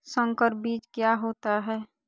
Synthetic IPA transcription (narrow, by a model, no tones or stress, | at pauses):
sə̃ŋkəɾbiːt͡ʃkjaɦoːt̪aɦɛː